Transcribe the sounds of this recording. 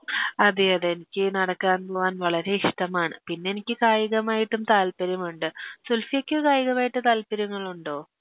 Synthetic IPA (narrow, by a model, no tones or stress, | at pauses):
ɐðɨɐðeenikʲːɨnɐɽɐkːaːnpoːʋaːnʋɐɭɐɾe̞iʂʈɐmaːɳɨpinːeenikʲːɨkaːjiɣɐmaːjiʈːumt̪aːlpɐɾjɐmuɳɖɨsulfijɐkʲːɨkaːjiɣɐmaːjiʈːɨt̪aːlpɐɾjuŋːɐɭuɳɖo̞ː